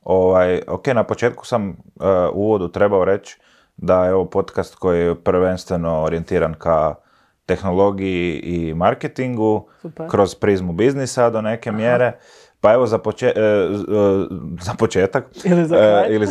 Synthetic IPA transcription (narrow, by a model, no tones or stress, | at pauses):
o̞ʋajo̰kenapo̞t͡ʃe̞ːt̪ku̥sam | uʋo̞d̪ut̪ɾe̞baoɾe̞t͡ʃ | d̪ajeo̞ʋopo̞t̪kast̪ko̞jijɛpɾʋe̞nst̪ʋe̞no̞ːɾie̞nt̪iːɾanka | t̪e̞xno̞lˠo̞ɡijiʔimaɾket̪iŋɡu | kɾo̞z̥pɾizmubiznisad̪o̞ne̞ke̞mjeːɾe̞ | pae̞ʋo̞zapot͡ʃe | zapot͡ʃeːt̪ak | ili